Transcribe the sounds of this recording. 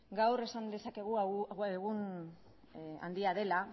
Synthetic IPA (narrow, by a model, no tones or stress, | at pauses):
ɡawɾe̞sand̪e̞sake̞ɣ̞uaɣeɣun | a̰nd̪iaðe̞la